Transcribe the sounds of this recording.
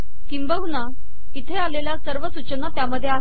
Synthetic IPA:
kimbəɦuna | it̪ʰealeljasəɾʋəsut͡ɕənat̪jaməd̪ʱːjea

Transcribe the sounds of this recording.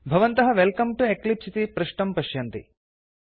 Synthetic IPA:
bʱɐʋɐnt̪ɐɦɐʋelkɐmʈueklipsit̪ipɾuʂʈɐmpɐʃjɐnt̪ḭ

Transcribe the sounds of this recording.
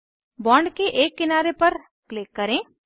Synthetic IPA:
bɔːɳɖkeʔeːkːɪnaːɾepɐɾ | klɪkːɐɾẽː

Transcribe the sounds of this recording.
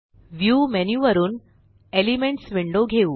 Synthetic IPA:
ʋjuːmenjuʋəɾuːn | elimeɳʈsʋiɳɖoɡʱeu

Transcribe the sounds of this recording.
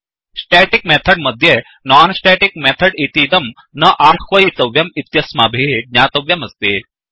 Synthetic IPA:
sʈɛʈikmɛt̪ʰəɽməd̪ʱje | naːnsʈɛʈik̚mɛt̪ʰəɽit̪iːd̪ɐm | nɐʔaɾkʰʋɐit̪ɐʋjɐmit̪jɐsmaːbʱeʈnjaːt̪ɐʋjɐmɐst̪eː

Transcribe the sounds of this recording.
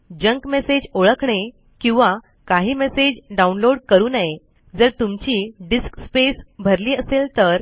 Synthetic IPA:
d͡ʑəŋkmesed͡ʑoɭəkɳe | kĩw̃ʋa | kaɦiːmesed͡ʑɖaunloɽkəɾuːnaje | d͡zəɾt̪umt͡ɕiːɖiskspesbʱəɾliːəselt̪əɾ

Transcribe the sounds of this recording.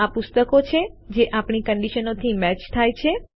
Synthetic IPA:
apʊst̪əkot͡ʃʰed͡ʒeʔapɳikəɳɖiʃənot̪ʰimɛt͡ʃt̪ʰajt͡ʃʰe

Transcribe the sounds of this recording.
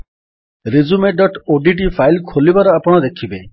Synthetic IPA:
ɾid͡ʒumeɖɔʈoɖiʈ̬ipʰajlkʰolibaɾɔapɽ̃ɔd̪ekʰibe

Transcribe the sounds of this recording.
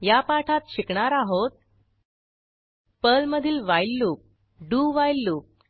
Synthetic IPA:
japaʈʰat̪ɕikɳaɾaɦot̪̚ | pəlməd̪ʱiːlʋajlːup̚ | ɖuʋajlːuːp̚

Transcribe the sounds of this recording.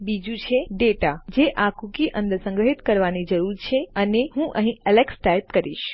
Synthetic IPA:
bid͡ʒũt͡ʃʰeɖeʈad͡ʒeʔakukiʔə̃nd̪əsə̃ŋɡɾəɦit̪kəɾʋanid͡ʒəɾuɾt͡ʃʰeəneɦũʔə̰ɦĩʔəleksʈaip̚kəɾḭʃ

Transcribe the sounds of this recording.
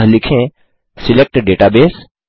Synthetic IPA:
lɪkʰẽ | sɪlek̚ʈɖeːʈabeːs

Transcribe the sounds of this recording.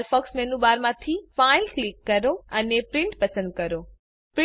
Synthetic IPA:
ɾfɔːksmẽnũbaːɾmãt̪ʰifaːɪlklikːɐɾoɐnepɾɪ̃ɳʈpɐsə̃nd̪̚kɐɾo | pɾ

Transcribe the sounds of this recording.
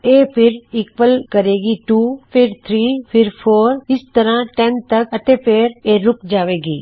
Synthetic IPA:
eːpʰɪɾɪkʋəlkɐɾeːɡiʈuːpʰɪɾt̪ʰɾiːpʰɪɾpʰoːɾɪst̪əɾãʈɛnt̪ɐkɐt̪epeːɾeːɾʊk̚d͡ʒaːʋeːɡiː

